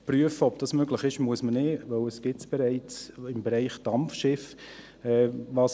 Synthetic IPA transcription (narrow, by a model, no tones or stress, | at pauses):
pryəfəɔbd̥ɑsmøɡlɪχɪʃmuəsmənɪʋœwəsɡ̥ɪtsb̥ɛɾɛɪt͡sɪmbeɾaɪχd̥ɑmfʃɪf | ɛːvɑːs